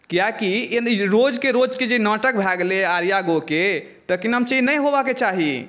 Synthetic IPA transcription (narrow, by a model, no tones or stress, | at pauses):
kijakienɾod͡ʒkeɾod͡ʒked͡ʒenɔʈək̚bʱaɡleaɾjaɡoke | t̪əkinəmt͡ʃinəjɦobaket͡ʃaɦi